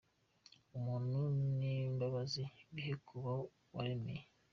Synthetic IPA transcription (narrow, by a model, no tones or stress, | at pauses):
umuːnunimbaβaziβiɦekʰuβa | waɾemḛje